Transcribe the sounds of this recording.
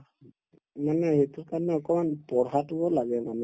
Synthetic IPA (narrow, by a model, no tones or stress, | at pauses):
manɛɦetʊɹkaɹnɛɔkɔmanpɔɹɦatʊbɔlaɡɛmanɛ